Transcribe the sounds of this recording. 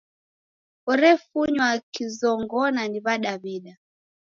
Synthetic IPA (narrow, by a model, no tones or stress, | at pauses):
ɔɾɛfuɲwakizɔŋɡɔnaniβaɗaβiɗa